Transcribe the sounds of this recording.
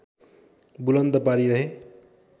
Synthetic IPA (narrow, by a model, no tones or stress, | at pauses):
bulʌnd̪ʌpaɾiɾʌɦe